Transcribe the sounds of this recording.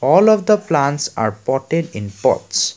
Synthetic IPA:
ɔlɔfd̪əplãnʈsa̰ɹpɔʈeɖĩnpɔ̰ts

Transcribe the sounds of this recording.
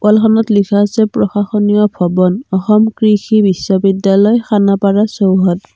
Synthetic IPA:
kɔlkʰanɔtlikʰasɛpɹɔxaxɔnijɔbʰʱɔbɔnɔxɔmkɹixibisːɔbidjalɔjxanapaɹasowɦɔt

